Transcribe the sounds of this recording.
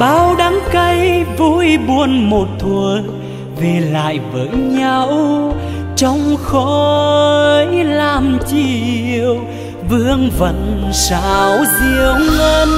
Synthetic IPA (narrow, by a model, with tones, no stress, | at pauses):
ɓaː˨˩wɗaː˨˦ŋkə˧jvu˧˥jɓu˧ənmo˨˩t̚t̪ʰwu˨˩ə | ve˨˩la̰ː˧˨jvəː˨˦jɲa˧w | t͡ɕɔ˧wŋ͡mxɔ˧˦ə˧˦jlaː˧˩mt͡ɕi˧˩əw | vɨ˧əŋvə̰˧˨˥nsa̰ː˧˨wzi˧əwŋ͡məː˧n